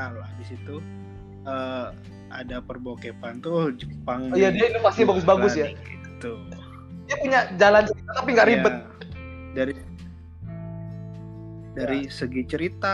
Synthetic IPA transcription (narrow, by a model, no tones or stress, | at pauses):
loabɪsit̪u | əː | a̰dapərbokepant̪ud͡ʒəpaŋijadiainofasiabaɡʊs̬baɡʊsjaɡit̪ut̪u | diapuɲad͡ʒalant͡ʃəɾit̪at̪ap̬iŋɡaʔɾibət̪̚ | daɾi | daɾisəɡit͡ʃəɾit̪a